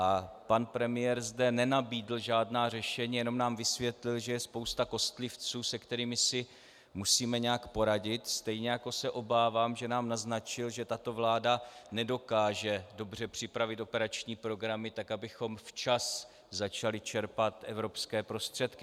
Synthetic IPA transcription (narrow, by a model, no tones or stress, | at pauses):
ʔa | panpɾɛmɪjɛɾzdɛnɛnabiːdl̩ʒaːdnaːr̝ɛʃɛɲiːjɛno̞mnaːmvɪsvjɛt̪lɪlʒɛjɛspo̞wst̪ako̞st̪lɪft͡suːsɛkt̪ɛɾiːmɪsɪ | musiːmɛɲɛjakpo̞ɾaɟɪt̪st̪ɛjɲɛjako̞sɛʔo̞baːvaːmʒɛnaːmnaznat͡ʃɪlʒɛt̪at̪o̞vlaːdanɛdo̞kaːʒɛdo̞br̝ɛpr̝̥ɪpɾavɪt̪o̞pɛɾat͡ʃɲiːpɾo̞ɡɾamɪt̪akabɪxo̞mft͡ʃas | zat͡ʃalɪt͡ʃɛɾpat̪ʔɛ̰vɾo̞pskɛːpɾo̞st̪r̝̥ɛt̪kɪ